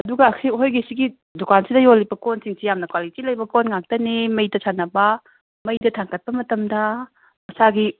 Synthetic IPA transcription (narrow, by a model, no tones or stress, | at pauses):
ɐduɡɐːkʰiɦojɡisiɡi | dukansidɐjolːibɐkonsiŋsijamnɐkwalitilɐjbɐkonŋak̚tɐnimɐjdɐsanɐbɐ | mɐjdɐtʰaŋkɐt̚pɐmɐtɐmdɐ | mɐsaɡi